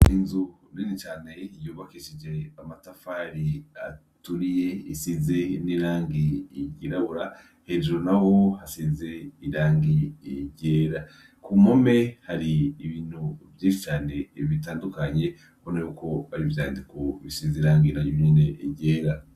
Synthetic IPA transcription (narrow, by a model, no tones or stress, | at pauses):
inzu | ninit͡ʃaːne̞ijoβakiʃid͡ʒe̞amatafaɾia | tuɾije̞isize̞niɾaːŋɡiɟiɾaβuɾa | he̞d͡ʒonaho̞hasize̞iɾaːŋɡiiɟe̞ːɾa | kumome̞haɾiːβiːn̥huvjiʃit͡ʃaːne̞βitaːndukaɲe̞ | honajokʰo̞βaɾivjaːndikoβisiziɾaːŋɡiɾaɲoɲineiɟeːɾa